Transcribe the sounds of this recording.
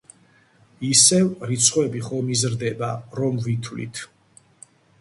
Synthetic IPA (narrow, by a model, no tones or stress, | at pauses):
isɛvɾit̪sʰχwɛbiχɔmizɾd̪ɛbaɾɔmvit̪ʰvlḭt̪ʰ